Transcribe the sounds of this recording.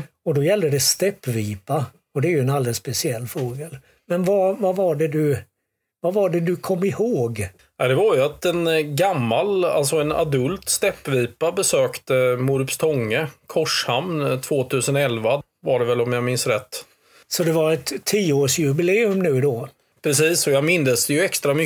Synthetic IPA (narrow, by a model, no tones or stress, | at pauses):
ɔd̪ɔjɛld̪əd̪ɛst̪ɛpːviːpa | ɔd̪ɛæɾjɵɛnald̪ɛlspɛsɪɛlːfɾoːɡəl | mɛnvavavaɖɛd̪ɵ | vavaɖɛd̪ɵkʰɔmːɪhoːɡ | ad̪ɛvaɾjɵat̪ɛnɡamːala̰lt̪sɔɛna̰d̪ɵlt̪st̪ɛpːviːpabɛsøːkt̪əmʊɾpst̪ʰɔŋːəkʰɔʂhamnt̪ʰvoːt̪ʰʉ̟ːsənɛlva | vaɖɛvɛlɔmjamɪnsɾɛt̪ː | sɔd̪ɛvaɾɛt̪ʰːiːoːʂjɵbɪleːɵmnʉ̟ːd̪ɔː | pʰɾɛsiːsɔjamɪnd̪əsd̪ɛjɵɛkst̪ɾamʏ